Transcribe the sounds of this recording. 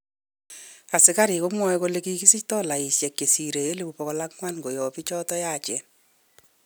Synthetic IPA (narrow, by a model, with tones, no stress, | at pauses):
a˨sɪ˨˦ka˦ɾi˨ko˦mwɔ˦ɛ˦ko˦le˦ki˦ki˦si˦ctɔ˦la˨i˨sjɛ˨kje˨si˨ɾe˨je˦le˦˨bu˨pɔ˨kɔ˦la˦kŋwa˦nɡo˨jɔ˨pi˦t͡ʃɔ˦tɔ˦ja˦˨t͡ʃɛ˨n